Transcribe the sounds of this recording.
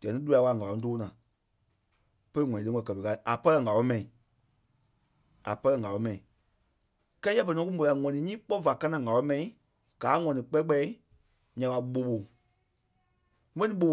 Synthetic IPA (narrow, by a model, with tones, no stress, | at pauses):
ɡ̥ɛ̃˨nĩ˦lu˧˦a˧˦wa˧˨ŋa˨ɔ̃˨˧˦toː˦nãː˨ | pə˦i˦ŋɔ̃˨ĩ˨e˧˦ɔ̃˧˨kɜ˨pe˨ka˧˨ʔa˨pɜ˦lɜ˧˨ŋa˨lɔ̃˨˦mɛ̃˨ĩ˨ | a˨pɜ˧lɜ˧˨ŋa˨ɔ˨˦mɛ̃˨ĩ˨ | kɛ˦ja˧p̬ɛ˧˨nɔ̃˨˦ku˦mo˧la˧˨ŋɔ̃˨nĩ˨˦ɲĩː˦k͡pɔ˦˨va˨kã˦nã˨ŋa˨lɔ˨˦mɛ̃˨ĩ˨˦ | ɡ̥aː˨˦ŋɔ̃˨nĩ˨k͡pɛ˦k͡pɛ˧˦i˦ | ɲã˨ɓa˧˦ɓo˧ɓo˨ | mɛ̃˦nĩ˦ɓo˧˨